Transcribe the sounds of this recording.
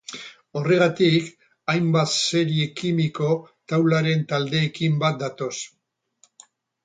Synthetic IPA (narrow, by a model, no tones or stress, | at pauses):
o̞re̞ɣ̞at̪ik | ajmbat̪se̞ɾiekimiko̞ | t̪awlaɾe̞nt̪ald̪e̞ːkimbat̪̚d̪at̪o̞s